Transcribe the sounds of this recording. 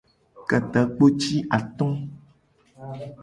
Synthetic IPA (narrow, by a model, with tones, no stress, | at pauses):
ka˨t̪a˨˦k͡po˦t͡ʃi˦ʔa˨t̪ɔ̃˦